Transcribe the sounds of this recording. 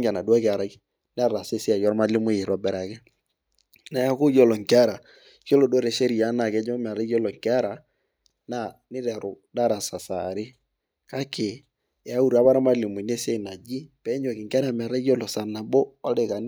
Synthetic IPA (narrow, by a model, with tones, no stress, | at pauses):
ŋɡa˨na˨du˦a˦kɪ˨a˨ɾa˨˦ | n˦a˦ɾa˨se˦sɪ˦a˨jɔ˦ɾma˦li˦mʊ˦je˨ɾɔ˨bɛ˨ɾa˨kɛ˦ | na˨ja˦kʊ˦jɔ˦lɔ˨ŋkɪ˦a˦ɾa˨ | jɔ˦lo˨do˦ɾe˨ʃe˦ɾi˨ja˨˦na˨kɛ˨˦ɲɔ˦m˨a˨ɾa˦jɔ˦lɔ˨ŋkɪ˨˦a˦ɾa˨ | na˦˨nɪ˦ɾɛ˨ɾʊ˨da˦ɾa˨sa˨sa˨ɾɪ˦ | ka˦ke˨ | ɛ˨a˦u˦˨ɾa˦ba˦ɾa˦ma˦li˨mʊ˨ne˦se˦˨na˨d͡ʒi˦pɛ˨˦ɲo˨kɪ˨ŋka˦ɾa˨m˨a˨ɾa˦jɔ˦lɔ˨sa˨na˨bo˦a˦le˨ka˨n˦